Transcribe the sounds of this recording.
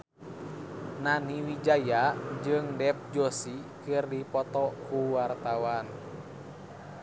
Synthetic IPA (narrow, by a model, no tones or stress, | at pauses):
naniwid͡ʒajad͡ʒɨŋdɛp̚d͡ʒosikɨrdipɔt̪ɔkuwart̪awan